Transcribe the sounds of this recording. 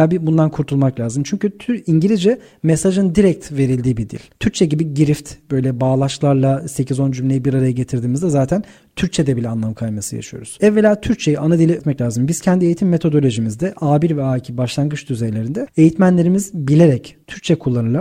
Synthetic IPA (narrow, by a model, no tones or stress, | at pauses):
abibund̪ankʰuɾt̪ʰulˠmaklʲaːzɯmt͡ʃʰyɲcyt̪ʰyɾiɲɟilʲizd͡ʒɛ | mesaʒɯnd̪iɾɛc̚t̪ve̞ɾilʲd̪iːbid̪ḭlʲt̪ʰyɾc̚t͡ʃʰɛɟibiɟiɾift̪bø̞jlʲɛbaːlˠaʃlˠaɾlˠase̞cʰizo̞nd͡ʒymlʲejibiɾaɾajaɟe̞t̪ʰiɾd̪iːmizd̪ɛzaːt̪ʰæn | t̪ʰyɾct͡ʃʰɛd̪ɛbilʲɛanlˠamkʰajmasɯja̰ʃɯjo̞̰ɾuz̥ɛvːe̞lʲaːt̪ʰyɾc̚t͡ʃʰe̞jianad̪ilʲiɛt̪mɛclʲaːzɯmbiz̥cʰɛnd̪ie̞jit̪ʰimːe̞t̪ʰo̞d̪o̞lʲo̞ʒimizd̪ɛʔaːbiɾvɛaːicʰibaʃlˠanɡɯt͡ʃd̪yzejlʲe̞ɾind̪ɛe̞jit̪mænlʲe̞ɾimizbilʲe̞ɾɛct̪ʰyɾc̚t͡ʃʰɛkʰulˠːanɯlˠa